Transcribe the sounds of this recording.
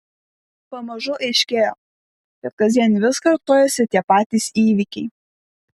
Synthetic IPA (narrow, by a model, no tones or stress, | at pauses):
pɐmɐʒʊʔɛɪʃʲkʲeːjoː | kʲɛt̪kɐzʲiɛnʲʋʲɪskɐɾt̪oːjɛsʲɪt̪ʲiɛpɑːt̪ʲiːˑsiːʋʲɪkʲɛɪ